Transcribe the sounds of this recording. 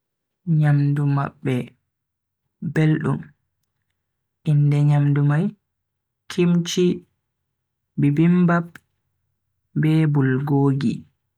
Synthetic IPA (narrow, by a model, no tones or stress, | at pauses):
ɲamduma̰ɓːɛ | belɗṵm | ʔindɛɲamdumaj | kʰimt͡ʃi | bibimbab | bɛːbulɡoːɡḭ